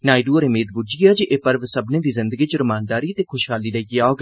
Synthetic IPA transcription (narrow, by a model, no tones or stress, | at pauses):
naːɪɖuːɾemeːd̪̚bʊd͡ʒiaːd͡ʒiʔeːpəɾʋsəbneːd̪iːzɪnd̪əɡiːt͡ʃəɾəmaːnd̪aːɾiːt̪eːkʰʊʃɦaːliːləɡiaoːɡ